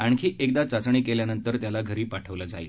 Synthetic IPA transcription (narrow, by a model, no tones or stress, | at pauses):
aɳkʰiːʔek̚d̪at͡sat͡sɳ̃iːkeljanənt̪əɾt̪jalaɡʱəɾiːpaʈʰəʋləd͡zaḭl